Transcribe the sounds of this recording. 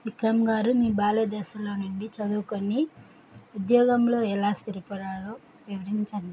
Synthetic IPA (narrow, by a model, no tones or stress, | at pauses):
ʋikɾɐmɡaːɾumiːbaːlɐd̪ɛːʃɐlo̞ːnuɳɖit͡ʃɐd̪uːkonːi | ud̪jɔːɡɐmlo̞ːɛlaːst̪iɾupɐɾaːloː | ʋiʋɐɾiɲt͡ʃɐɳɖi